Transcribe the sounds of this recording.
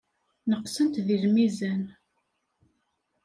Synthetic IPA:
nəqsənt̪ðilmizæn

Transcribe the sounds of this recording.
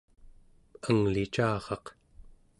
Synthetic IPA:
əŋlit͡ʃaːʁɑq

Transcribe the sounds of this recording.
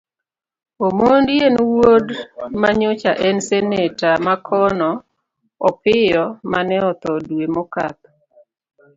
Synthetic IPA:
omondjenwodmaɲʊt͡ʃaʔɛnsɛnetamakʰɔnɔ | ɔpɪjɔmanɛɔt̪ɔdwemoka̰t̪̚

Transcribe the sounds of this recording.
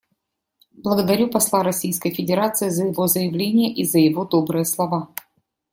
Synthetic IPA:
blˠəɡəd̪ɐɾʲupɐslˠaɾɐsʲijskəjfʲɪdʲɪɾat̪sɨɪzəjɪvozəjɪvlʲenʲɪjəʔizəjɪvo̞d̪o̞bɾɨjəslˠɐva

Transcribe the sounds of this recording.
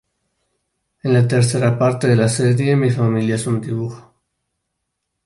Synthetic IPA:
enlat̪eɾθeɾapaɾt̪eðelaseðjemifamiljaesund̪iβuxḁ

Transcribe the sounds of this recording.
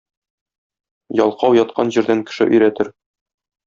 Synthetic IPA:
jɒlˠqɑwjɒt̪̚qɑnʑĭɾd̪æŋkɘ̥̆ʃɘ̰ʔɵ̆jɾæt̪ɘɾ

